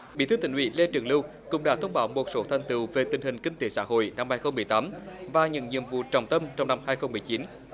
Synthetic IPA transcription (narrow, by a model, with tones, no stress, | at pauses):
ɓḭ˧˥t̪ɨ˨˦˥t̪i˧˩ŋ̟wḭ˧˥le˧t͡ɕɨ˨˩əŋlɨ˧w | kʊ̰˧˥ŋ͡mɗa̰ː˧˥t̪ʰə˧wŋ͡mɓaː˨˦wmo˨˩t̚so˨˦t̪ʰa˨˩jŋ̟t̪ɨ˨˩˨wve˨˩t̪ï˨˩ŋ̟hï˨˩ŋ̟ki˧ŋ̟t̪e˨˦sa̰ː˧˥ɦo̰˧˨jna˧mhaː˧jxə˧wŋ͡mmɨ˨˩əjt̪aː˨˦mvaː˨˩ɲə̰˧˥nɲḭ˧˨əmvṵ˧˨t͡ɕɔ˨˩wŋ͡mt̪ə˧mt͡ɕɔ˧wŋ͡mna˧mhaː˧jxə˧wŋ͡mmɨ˨˩əjt͡ɕi˨˦n